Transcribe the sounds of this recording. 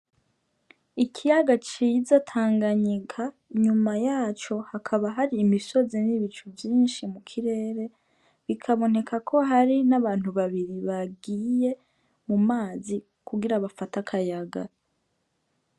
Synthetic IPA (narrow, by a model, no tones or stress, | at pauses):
ikʰijaɡat͡ʃizatʰaːŋɡaɲikʰa | ɲumajaːt͡ʃo̞hakʰaβaɦaɾiːmiso̞zeniβit͡ʃuvjiːnʃimukʰiɾe̞ːɾe̞ | βikʰaβo̞ne̞kʰakʰo̞ɦaɾinaβaːn̥uβaβiɾiβaɡiːje̞ | mumaːzi | kuɡiɾaβafatakʰajaɡa̰